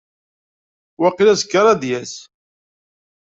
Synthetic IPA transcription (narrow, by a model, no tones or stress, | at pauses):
wæqilæzkːəɾˤɑd̪jæs